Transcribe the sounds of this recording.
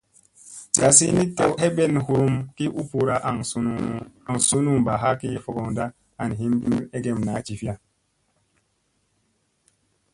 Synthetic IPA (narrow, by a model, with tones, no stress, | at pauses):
d͡ʒa˨si˦ni˦te˦wɛ˦bɛ˦˨n˨hu˨ɾu˦mki˦ʔu˦pu˨ɾa˦ʔa˨ŋ˦˨a˨ŋ˨su˦nu˦˨ŋ˨ba˨ɦa˦ki˦fɔ˨ɡɔ˨ŋda˦ | a˨n˨ɦi˦m˦bi˦me˦ɡe˨mna˨˦t͡ʃi˨fi˦a˦˨